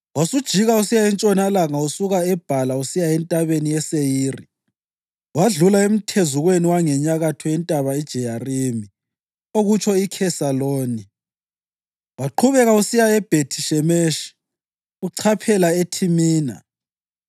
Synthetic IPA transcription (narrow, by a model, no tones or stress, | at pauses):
wasud̥ʒ̥ʱiɣausijaɛnt͡ʃʼɔnalaŋausuɣaɛb̥ʱalausijaɛntʼaβenijɛsejiːri | waɮulaem̩tʰezuɣweniwaŋɛɲaɣatʰɔɛntʼaβaid̥ʒ̥ʱɛjarimi | oɣut͡ʃʰɔikʰɛsaloːni | waǃʰuβɛɣausijaɛb̥ʱetʰi̥ʃɛmeʃi̥ | uǀʰapʰɛlaetʰimiːna̰